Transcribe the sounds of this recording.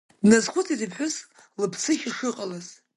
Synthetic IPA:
dnazχʷʊt͡sʰizipħʷʊs | lɨpʰsɨχʲiʂɨqʼalaz

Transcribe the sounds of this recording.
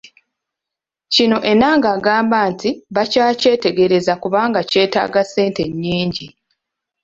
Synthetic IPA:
cino̞ʔe̞naːŋɡaːɡaːmbaːntiβacaːce̞ːte̞ɡe̞ɾe̞zakuβaːŋɡace̞ːta̰ːɡase̞ːnte̞ɲːiːɲɟi

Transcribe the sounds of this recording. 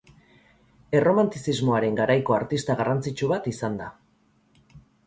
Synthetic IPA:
e̞ro̞mant̪isizmo̞aɾe̞ŋɡaɾajko̞aɾt̪ist̪aɣarant͡sit͡ʃuβat̪isand̪a

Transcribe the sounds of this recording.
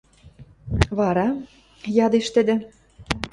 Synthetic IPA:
βɑɾɑ | jɑd̪eʃt̪ə̆d̪ĕ

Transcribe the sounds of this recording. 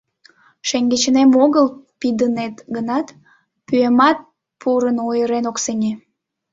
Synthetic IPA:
ʃeŋɡet͡ɕənemoɣəlpid̪ənet̪ɡənɑt̪ | pyemɑt̪̚ | pʰuɾənojəɾenoksenʲe

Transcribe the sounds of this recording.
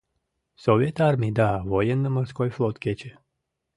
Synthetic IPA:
sovjet̪aɾmid̪aʋojenːəməɾskojflˠot̪kʲet͡ɕe

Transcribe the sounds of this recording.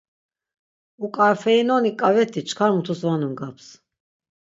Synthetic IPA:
ukʼaɾfɛinɔnikʼavɛt̪ʰːit͡ʃʰkʰaɾmut̪ʰusvanumɡapʰs

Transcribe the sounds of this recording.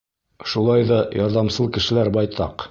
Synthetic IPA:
ʃulˠɑjðɑjɑɾðɑmsɤlˠkɘ̆ʃɘ̆læɾbɑjt̪ɑq

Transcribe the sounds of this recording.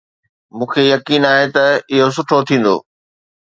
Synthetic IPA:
mũːkʰejɐkiːnaːɦet̪ɐɪɦos̬ʊʈʰot̪ʰĩːn̆d̪o̰ː

